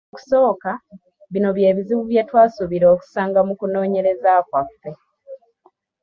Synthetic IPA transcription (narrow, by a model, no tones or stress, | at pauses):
ku̥so̞ːka | βino̞βje̞ːβiziβuβjetwaːsuβiɾo̞ːku̥saːŋɡamukuno̞ːɲe̞ɾe̞zakwafːe̞